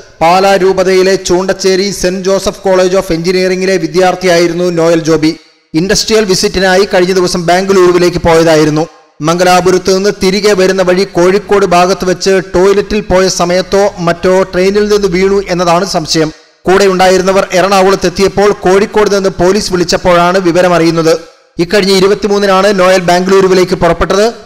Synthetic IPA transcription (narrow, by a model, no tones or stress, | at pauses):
paːlaːɾuːbɐðɐjile̞t͡ɕuːɳɖɐt͡ɕːe̞ːɾisend͡ʑo̞ːsɐfko̞ːɭe̞ːd͡ʑo̞ːfeɲd͡ʑiniːriŋːile̞ʋid̪jaːrt̪ʰijaːjiɾunːuno̞ːjɐld͡ʑo̞ːbi | inɖɐsʈrijɐlʋisitːinaːjikɐɻiɲːɐd̪iʋɐsɐmbaːŋɡɨluːɾuʋile̞ːkːɨpo̞ːjɐðaːjiɾun̪ːu | mɐŋɡɐlaːbuɾut̪ːɨninːɨt̪iɾiɣeʋɐɾunːɐʋɐɻiko̞ːɻikːo̞ːɽɨbʱaːɡɐt̪ːɨʋɐt͡ɕːɨʈo̞ːjlɐtːilpo̞ːjɐsɐmɐjɐt̪ːo̞ːmɐtːo̞ːʈrejnilninːɨʋiːɳuʔe̞nːɐðaːɳɨsɐmɕɐjɐm | kuːɽeuɳɖaːjiɾunːɐʋɐrerɐɳaːʋuɭɐt̪ːe̞t̪ːijɐpːo̞ːɭko̞ːɻikːo̞ːɽɨninːɨpo̞ːliːsʋiɭit͡ɕːɐpːo̞ːɻaːɳɨʋiʋɐɾɐmɐrijunːɐðɨ | ikːɐɻiɲːɐiɾubɐt̪ːimuːnːinaːɳɨno̞ːjɐlbaːŋɡluːɾuʋile̞ːkːɨpurɐpːe̞ʈːɐðɨ